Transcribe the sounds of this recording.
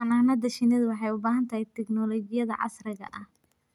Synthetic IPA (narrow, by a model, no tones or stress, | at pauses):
ɑnaːnɐd̪ɐʃɪnɛðwɑħɑjʊbaːɦɐnt̪ʰɐhɛjt̪ʰɛɡnɔlɔɡɪjɐðɐ̰ʕɑ̰srɪɣɐ̰ʔɐh